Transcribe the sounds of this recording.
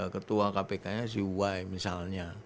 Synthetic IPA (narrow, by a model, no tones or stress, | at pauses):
kət̪uakapekaɲas̬iuwajmisalɲa